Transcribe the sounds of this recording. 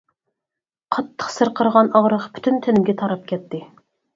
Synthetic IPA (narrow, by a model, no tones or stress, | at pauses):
qʰɑt̪ʰːə̥qsɨɾqʰəɾʁɑnɑʁɾəqpʰy̥t̪ʰynt̪ʰɪnɪmɡʲɛt̪ʰɑɾɑp̚kʲʰɛt̪ʰːɪ